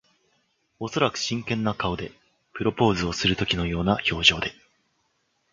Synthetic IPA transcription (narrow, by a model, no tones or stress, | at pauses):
o̞so̞ɾakɯ̟̥ɕĩŋkẽ̞nːakaod̪e̞ | pɯ̟ɾo̞po̞ːzɨo̞sɨɾɯ̟t̪o̞kʲino̞jo̞ːnaço̞ːʑo̞ːd̪e̞